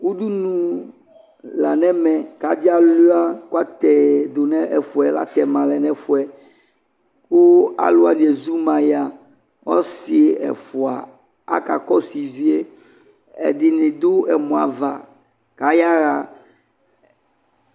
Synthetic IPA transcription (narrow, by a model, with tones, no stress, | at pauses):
ku˦du˦nũ˦ | la˨nɛ̃˦mɛ̃˨ka˨di˦a˦lu˦a˦ku˦a˦t̪ɛ˨d̪o˨nɛ̃˦ʔɛ˨fu˨ɛ˨la̰˦t̪ɛ˨mã˨lɛ˨nɛ̃˦fu˨ɛ˨ | ko˦a̰˨lo˦a˨dĩ˨e˨zu˦mã˨ja˨ | wɔ̰˦si˨e˨ɛ̰˨fu˨a̰˨ | a̰˦ka˨kɔ˦si˨vi˦e˦ | ɛ̰˨ɖi˨nĩ˨d̪o˦ɛ˨mɔ̃˨a̰˨va˨ | ka˨ja˦ɣa˨